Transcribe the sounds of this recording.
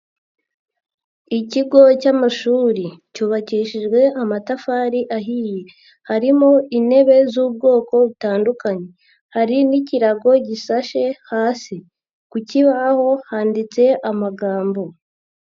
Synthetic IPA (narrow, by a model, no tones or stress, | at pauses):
iciɡo̞camaʃuːɾicuːβaciːʃiʒɡwe̞ʔamatafaːɾiʔaɦije | haɾimo̞ine̞βe̞zuːb̚ɡo̞ːko̞βutaːndukaɲe̞ | haɾiniciɾaɡo̞ɟiʃaʃe̞haːsi | kuciβaho̞haːndit͡se̞ʔamaɡaːmbo̞